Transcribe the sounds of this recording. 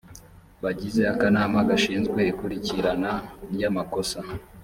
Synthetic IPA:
βaɟize̞akanaːmaɡaʃiːnzɡwe̞ikuɾiciɾananjamako̞sa

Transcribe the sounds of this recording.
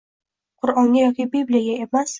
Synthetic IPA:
qʰʊɾɒŋɡʲajɒkʲibiblijaɡʲaemas

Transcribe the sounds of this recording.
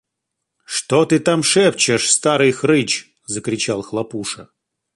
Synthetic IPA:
ʂt̪ot̪ɨt̪amʂɛp̚t͡ɕɪʂst̪aɾɨjxɾɨt͡ɕ | zəkɾʲɪt͡ɕalˠxlˠɐpuʂə

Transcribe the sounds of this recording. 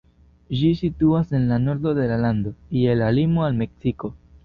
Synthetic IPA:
d͡ʒisituase̞nlano̞ɾdo̞de̞laland̪o̞ielalimoalme̞ksiko̞

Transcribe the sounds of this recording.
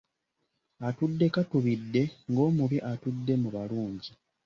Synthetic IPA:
atudːe̞katuβidːe̞ŋɡo̞ːmuβiʔatudːe̞muβaluːɲɟi

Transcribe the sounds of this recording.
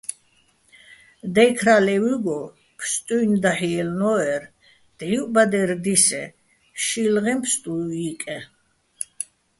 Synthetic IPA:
d̪ɛjkʰɾalɛwuɡɔ | pʰst̪ʼujnd̪aħiɛlnɔɛɾ | d̪̥ɛubad̪ɛɾd̪isɛ̰ | ʃilʁɛmpʰst̪ʼuikʼɛ

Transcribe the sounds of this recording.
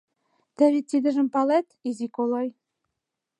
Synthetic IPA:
t̪æβit̪ːid̪ɘ̆ʒɘ̆mpɑlæt̪izikoloj

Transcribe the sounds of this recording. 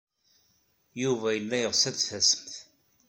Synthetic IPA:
juvæjəlːæjəʁsæt͡sːfæsə̥mθ

